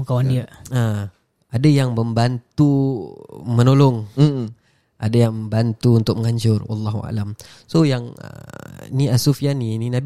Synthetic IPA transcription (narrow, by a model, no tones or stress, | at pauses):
kawandiəa | adajaŋməmbant̪u | mənolɔŋ | ʔadajaŋməmbant̪uunt̪ʊk̚məŋaɲd͡ʒʊrwa̰lːaɦuʔa̰lam | sojaŋə̰niasufianininãb